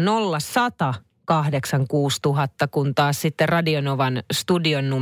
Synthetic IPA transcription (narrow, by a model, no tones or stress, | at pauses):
nolːɑsɑt̪ɑ | kɑhdeksɑŋkuːst̪uɦɑt̪ːɑkunt̪ɑːssit̪ːerrɑdionoʋɑnst̪udionːu